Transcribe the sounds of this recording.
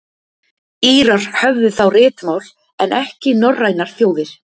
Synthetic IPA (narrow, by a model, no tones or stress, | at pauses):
iːɾaɾ̥hœvðʏθawrɪːt̪mawl | ɛnʔɛhcɪnɔrːajnaɾ̥θjoːwðɪɾ̥